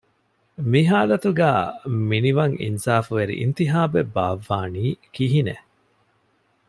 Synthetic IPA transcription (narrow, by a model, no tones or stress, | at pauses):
miɦaːlɐt̪uɡæːminiʋɐŋḭnsaːfuʋeɾḭʔḭnt̪iɦaːbebaːʋːaːniːkiɦine